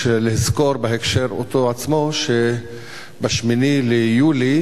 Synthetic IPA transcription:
elihizko̞ɾbeɦekʃeɾo̰t̪oat͡smoʃe | baʃminilejuli

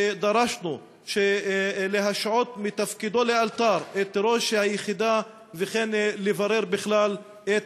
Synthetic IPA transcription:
d̪aɾaʃnu | ʃeleɦaʃʕot̪mit̪afkid̪o̞lealt̪aɾʔet̪ɾo̞ʃhajeχid̪a | veχenlevaɾeɾbɪχlal | et

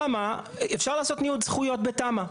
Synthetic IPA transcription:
amaefʃaʁlaːso̞t̪niud̪z̥χujo̞tbetama

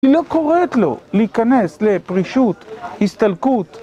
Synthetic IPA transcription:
ilo̞ko̞ʁet̪lo̞̰lehikane̞sle̞pʁiʃut̪hist̪alkut̪

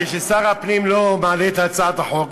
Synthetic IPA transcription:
eʃesaʁapnimlomaːlet̪at͡saːd̪aħok

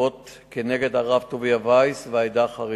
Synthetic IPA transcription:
ot | keneɡe̞daʁavt̪oviavajsveajdaχaʁi

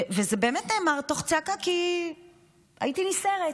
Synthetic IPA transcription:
vezebe̞ːmetneːmaʁt̪oχt͡sakaki | a̰itiniseʁe

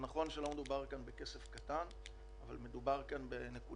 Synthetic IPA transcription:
naχo̞nʃelo̞me̞d̪ubaʁkanbe̞ke̞se̞fkatan | ava̰lme̞d̪ubaʁkanbe̞ne̞ku

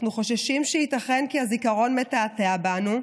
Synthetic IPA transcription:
χnuχo̞ʃeʃimʃeit̪aχe̞nkiazikaʁo̞nmetaːteabanu

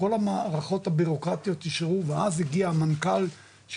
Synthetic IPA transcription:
o̞lamaʁaχo̞t̪habiʁo̞kʁat̪ijo̞t̪iʃaʁuveazhiɡiaːmankal | ʃ

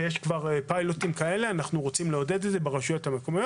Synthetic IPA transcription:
jeʃkvaʁpajlotimkae̞le̞anaχnuʁo̞t͡simleo̞dedetzebeʁaʃujothamekomajo

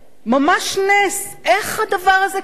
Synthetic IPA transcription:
mamaʃnes | eχhad̪avaʁaze

